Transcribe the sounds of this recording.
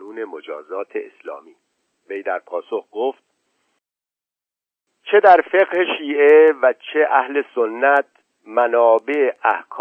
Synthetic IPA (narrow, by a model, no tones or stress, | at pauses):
uːne̞mod͡ʒɒːzɒːt̪ʰeeslɒ̰ːmiː | ve̞jd̪æɾpʰɒːsoxɡoft̪̚ | t͡ʃʰe̞d̪æɾfe̞ɣheʃiːʔe̞væt͡ʃʰe̞ʔæhle̞sonːæt̪̚ | mænɒːbe̞eʔæhkʰː